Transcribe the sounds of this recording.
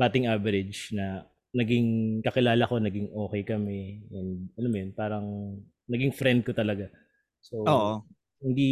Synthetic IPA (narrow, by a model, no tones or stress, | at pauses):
baːt̪ɪŋʔavɛɾɪd͡ʒnɐ | nɐɡɪŋkɐkɪlaːlɐko̞nɐɡɪŋʔo̞ːkɛjkɐmɛjʊnʔɐnomɐjonpaːɾɐŋ | nɐɡiŋfɾɛnd̪̚kot̪ɐlɐɡa | sooːʔo | hɪnd̪i